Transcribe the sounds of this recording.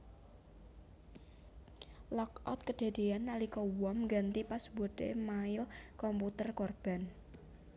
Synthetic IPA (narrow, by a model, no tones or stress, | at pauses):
lɔkɔ̰t̪̚kəd̥e̤d̪̥e̤anːalikɔwɔmŋɡant̪ipasbɔd̪emaɪlkɔmput̪ərkorb̥a̤n